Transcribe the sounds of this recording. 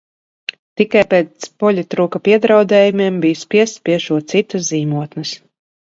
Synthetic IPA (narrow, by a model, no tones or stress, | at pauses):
t̪ikajpeːspɔlʲɛt̪ːɾuːkapʲiɛd̪ɾawd̪ɛːjumiɛmbijspʲiɛst̪pʲiɛʃuɔt̪sit̪ɐsziːmuɔt̪nɨs